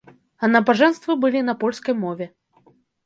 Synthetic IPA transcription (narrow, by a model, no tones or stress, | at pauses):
ɐnɐbaʐɛnst̪vɨbɨlʲinɐpɔlʲskɐjmɔvʲɛ